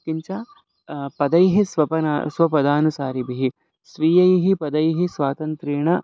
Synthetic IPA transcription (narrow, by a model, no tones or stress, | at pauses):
kiɲt͡ʃaː | pɐd̪ɐjɦisʋɐpɐna̰sʋɐpɐd̪aːnusaːɾibiɦi | sʋiːjɐjɦipɐd̪ɐjɦisʋaːt̪ɐnt̪ɾiːɳɐ